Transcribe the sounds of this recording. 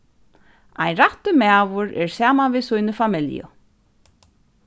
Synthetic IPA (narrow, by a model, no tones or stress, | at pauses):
ajɾaht̪ʏmaːvʊɾɛɹsaːmanviðsujnʏfamɪljʊ̰